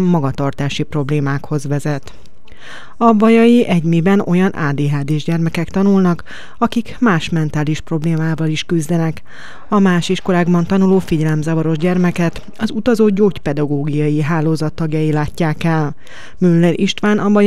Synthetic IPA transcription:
mːɒɡɒt̪ɒrt̪aːʃipro̞bleːmaːkho̞zʋɛzɛt̪ | ɒbɒjɒjiʔɛɟmibɛno̞̰jɒnʔa̰ːd̪eːɦaːd̪eːʒɟɛrmɛkɛkt̪ɒnulnɒk | ɒkikmaːʃmɛnt̪aːliʃpro̞bleːmaːvɒliʃkyzd̪ɛnɛk | ɒmaːʃiʃko̞laːɡbɒnt̪ɒnuloːfiɟɛlɛmzɒvɒɾo̞ʒɟɛrmɛkɛt̪ | ɒzut̪ɒzoːɟoːcpɛd̪ɒɡoːɡijɒjiɦaːloːzɒt̪ːɒɡjɒjilaːcːaːkɛl | mylːɛɾʔiʃt̪ʋaːnʔɒbɒj

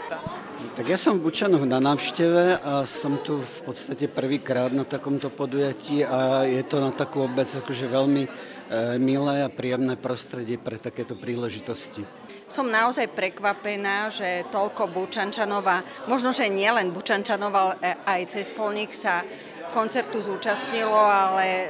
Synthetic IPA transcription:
t̪aɡjasɔmvbut͡ʃanɔɣnanaːʊʃcɛʋɛʔasɔmt̪ufpɔt̪st̪acɛpr̩ʋiːkɾaːd̪nat̪akɔmt̪ɔpɔd̪ujaciːajɛt̪ɔnat̪akuːɔbɛd͡zakɔʒɛʋɛʎmi | milɛːapɾiɛmnɛːpɾɔst̪ɾɛɟɪɛpɾɛt̪akɛːt̪ɔpɾiːlɛʒit̪ɔsci | sɔmnaɔzajpɾɛkʋapɛnaːʒɛt̪ɔlkɔbut͡ʃant͡ʃanɔʋamɔʒnɔʒɛɲɪɛlɛnbut͡ʃant͡ʃanɔʋalɛɛajt͡sɛspɔlɲiksa | kɔnt͡sɛɾt̪uzuːt͡ʃasɲilɔalɛ

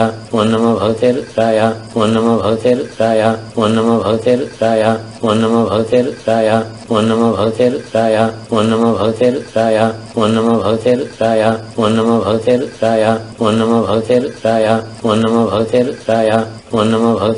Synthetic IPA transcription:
aonːɐmɐbʱɐɡt̪eɾt̪ɾaːjaonːɐmɐbʱɡt̪eɾt̪ɾaːjaonːɐmɐbʱɐɡt̪eɾt̪ɾaːja | onːɐmɐbʱɐt̪eɾt̪ɾaːja | onːɐmɐbʱɐɡt̪eɾt̪ɾaːjaonːɐmɐbʱɐɡt̪eɾt̪ɾaːja | onːɐmɐbʱɐɡt̪eɾaːjaonːɐmɐbʱɐɡt̪eɾt̪ɾaːjaonːɐmɐbʱɐɡt̪eɾɾaːjaonːɐmɐbʱɐɡt̪eɾt̪ɾaːja | onːɐmɐbʱɐɡ̪

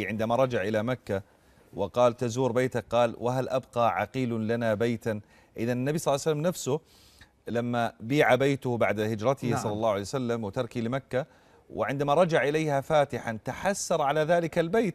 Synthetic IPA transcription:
ʕɪnd̪amaɾˤɑd͡ʒaʕʔɪlamakːa | wɪqɑːlt̪azuːɾbeːt̪ak̚qɑːlwaɦalʔabqɑʕa̰qiːllanabajt̪an | ʔɪðanɪnːabisˤɑlːsalːamnafsʊ | lamːabiːʕabajt̪ʊhbaʕd̪hɪd͡ʒɾˤɑt̪ɪhisˤɑlːɑlːɑːwʕalejwsalːamwɪt̪ɑɾˤkilɪmakːa | wɪ̰ʕɪnd̪amaɾˤɑd͡ʒaʕʔɪlejhafaːt̪ɪħant̪aħasːɑɾˤʕalaðaːlɪkalbeːt̪

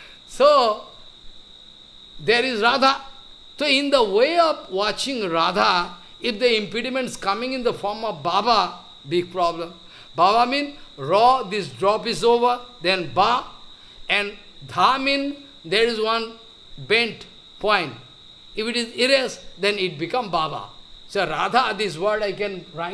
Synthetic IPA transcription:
so | d̪eɾizɾaːd̪ʱa | soɪ̃nd̪əweɔfwɔt͡ʃɪ̃ŋɾad̪ʱa | ɪfd̪əĩmpiɖimẽɳʈskʌmĩŋɪ̃nd̪əfɔːɾmɔfbaba | bɪɡ̚pɾɔːblə̃m | baːbamĩːnɾɔd̪isɖɾɔːpizoːʋəɾd̪ɛ̃nba | ɛ̃ɳɖ | d̪ʱamĩn | d̪eɾizwʌ̃n | bẽɳʈ | pɔ̃ɪ̃ɳʈ | ifiʈiziɾesd̪ɛ̃niʈ̚bikʌ̃mbaːba̰soɾad̪ʱad̪izwəɾɖaɪkɛ̃nɾaɪ

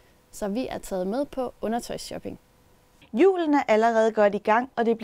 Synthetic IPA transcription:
sɒ̽ʋiʔæɐt͡sʰɛ̰ːð̞̩ˠmeð̞ˠpʰɒ̽ɔ̽nɐt͡sʰɒ̽ɪsɕɒ̽b̥e̝ŋ | jṵːlən̩æʔæləʁɛːð̞̩ˠɡ̥ɒ̽d̥iɡ̥ɑ̈ŋ̰ɒ̽d̥e̝b̥l

